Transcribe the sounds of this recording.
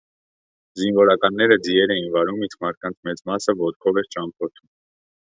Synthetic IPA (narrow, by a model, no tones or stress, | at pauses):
zinvɔɾɑkɑnːɛɾəd͡ziɛɾɛjinvɑɾumit͡skmɑɾt̪̚kɑnt͡sʰmɛt͡smɑsəvɔt̪kʰɔvɛɾt͡ʃʰɑmpʰɔɾt̪ʰum